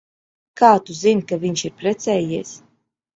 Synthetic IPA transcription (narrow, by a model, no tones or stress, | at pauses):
kaːt̪uzinkaviɲʃiɾpɾɛt̪sɛːjiɛs